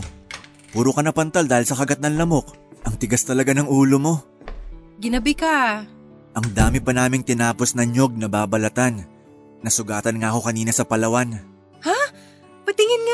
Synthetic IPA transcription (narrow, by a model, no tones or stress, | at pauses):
puːɾokɐnɐpɐnt̪ɐld̪aːhɪlsɐkɐɡɐt̪̚nɐŋlɐmo̞k̚ʔɐŋt̪ɪɡast̪ɐlɐɡanɐŋuːlo̞mo̞ | ɡɪnɐbɪkɐ | ʔɐŋd̪aːmɪpɐnaːmɪŋt̪ɪnaːpo̞snɐɲjo̞ɡ̚nɐbaːbɐlɐt̪anː | ɐsʊɡaːt̪ɐnŋaːko̞kɐniːnɐsɐpɐlɐwan | ha | pɐt̪ɪŋɪnŋa